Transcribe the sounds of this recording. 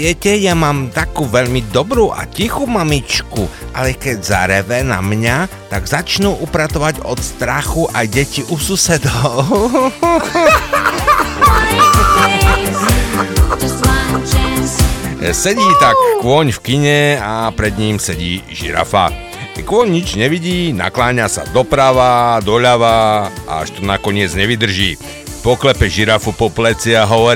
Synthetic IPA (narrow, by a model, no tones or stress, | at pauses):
ɛcɛjamaːmt̪akuːʋɛʎmid̪ɔbɾuːʔa̰cixuːmamit͡ʃkuʔalɛkɛɟza̰ɾɛʋɛna̰mɲat̪aɡzat͡ʃnuʔupɾat̪ɔʋaɟɔ̰t̪st̪ɾaxuʔajɟɛciʔususɛd̪ɔʊ | sɛɟiːt̪akːʋɔɲfkiɲɛapɾɛd̪ɲiːmsɛɟiːʒḭɾa̰fa̰ | kʋɔɲɲid͡ʒɲɛʋiɟiːna̰klaːɲasa̰d̪ɔpɾaʋad̪ɔʎaʋa̰a̰ʃt̪ɔnakɔɲɪɛd͡zɲɛʋid̪r̩ʒiː | pɔklɛpɛʒiɾafupɔplɛt͡siaɦɔʋɔɾ